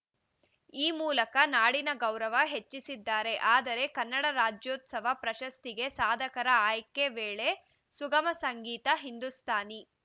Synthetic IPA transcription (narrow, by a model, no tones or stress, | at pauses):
iːmuːlɐkɐnaːɽinɐɡɐwɾɐʋɐɦet͡ʃːisid̪ːaːɾe̞ʔaːd̪ɐɾe̞kɐnːɐɽɐɾaːd͡ʒjoːt̪sɐʋ̤ɐpɾɐʃɐst̪iɡe̞saːd̪ʱɐkɐɾɐaːjkːe̞ʋeːɭe̞ | suɡɐmɐsɐŋɡiːt̪ɐɦind̪ust̪ʰaːni